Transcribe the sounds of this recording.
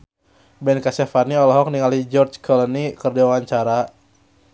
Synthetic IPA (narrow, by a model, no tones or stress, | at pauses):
bɛnkasɛfaniɔlɔɦɔk̚niŋalid͡ʒɔrt͡ʃkʰɔlɔnikərdiawaɲt͡ʃaɾa